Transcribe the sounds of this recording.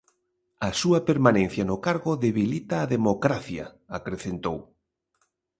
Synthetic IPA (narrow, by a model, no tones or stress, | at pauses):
ɐsuɐpeɾmanẽn̟θjɐnʊkaɾɣʊðeβilit̪aːðemokɾaθjɐ̰ | akɾeθent̪ow